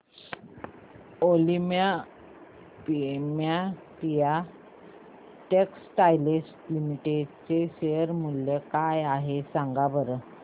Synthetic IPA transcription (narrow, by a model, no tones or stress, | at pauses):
olimja | pimjat̪ija | ʈeksʈajlisʈlimiʈeɖt͡seɕejəɾmulːekajaɦesaŋɡabəɾə